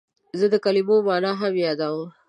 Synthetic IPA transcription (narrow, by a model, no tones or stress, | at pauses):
zəd̪əkalimomɑːnaɦamjɑd̪aw